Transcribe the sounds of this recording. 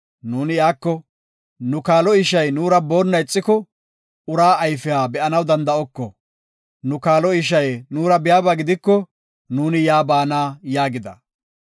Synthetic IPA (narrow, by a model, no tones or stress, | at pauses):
nuːnɪjaːkːɔ | nʊkaːlɔɪʃɐjnuːɾɐbo̞ːnːɐjɪt͡sʼːɪkɔ | ʊɾaːjfɪjaːbɛʔɐnɐwd̪ɐnd̪ɐɔkːɔ | nʊkaːlɔɪʃ̬ɐjnuːɾɐbɪjaːbɐɡɪd̪ɪkːɔ | nuːnɪjaːbaːnaːjaːɡɪd̪ɐ̰